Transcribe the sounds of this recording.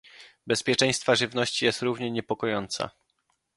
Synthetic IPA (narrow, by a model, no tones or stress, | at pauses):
bɛspʲjɛt͡ʂɛ̃j̃st̪faʐɘvnɔɕt͡ɕijɛst̪ɾuvɲɛɲɛpɔkɔjɔnt̪sa̰